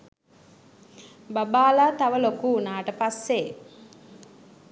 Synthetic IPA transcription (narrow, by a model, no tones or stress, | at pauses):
bɐbaːlaːt̪ɐʋəlokuːnaːʈəpasːe